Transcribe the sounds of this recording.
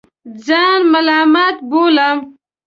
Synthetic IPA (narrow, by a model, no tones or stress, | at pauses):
d͡zaːnmɐlaːmat̪̚boːlam